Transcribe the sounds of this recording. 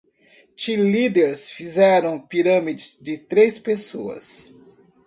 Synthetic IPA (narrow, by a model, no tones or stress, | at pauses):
t͡ʃilid̪eɾsfizɛɾɐ̃w̃piɾɐ̃mid͡ʒɪzd͡ʒɪt̪ɾespesoɐ̰s